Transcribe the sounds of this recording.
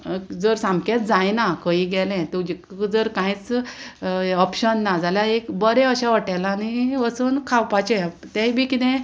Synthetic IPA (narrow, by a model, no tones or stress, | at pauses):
d͡zəɾsamket̪d͡zajnakəiɡɛlɛ̃t̪uid͡zəɾkãĩt͡s | ɔpɕənːad͡zaljaekbəɾeəɕaʋəʈajlaːniəsuːnkʰawpat͡ɕɛ̃ | t̪ɛ̃bikit̪ɛ̃